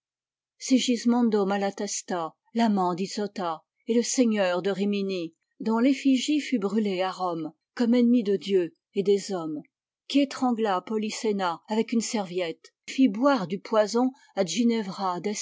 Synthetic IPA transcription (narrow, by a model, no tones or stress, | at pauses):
seʒizmɑ̃d̪omalat̪ɛst̪a | lamɑ̃d̪isɔt̪a | eləseɲœʁd̪əʁimini | d̪ɔ̃lefiʒifybʁyleaʁɔm | kɔmenmid̪əd̪jø | ed̪ezɔm | kʲiet̪χɑ̃ɡlapɔlisenaavɛkynsɛʁvjɛt̪ | fibwaʁd̪ypwazɔ̃ | aʒinevʁad̪ɛs